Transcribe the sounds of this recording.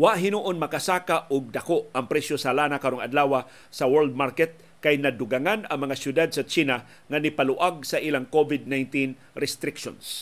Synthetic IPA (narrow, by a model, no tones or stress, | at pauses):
waʔɦɪnuʔonmɐkasaːkaʔʊɡ̚d̪akoʔɐŋpɾɛsjosalaːnakaɾoŋa̰d̪laːwa | sɐwɛld̪̚maɾkɛt̪̚ | kajnɐd̪ʊɡaŋanɐŋmɐŋasjʊd̪ad̪̚sɐt͡ʃiːna | ŋanɪpalʊʔaɡ̚sɐʔilaŋkovɪd̪̚najnt̪in | ɾɛst̪ɾɪkʃo̰ns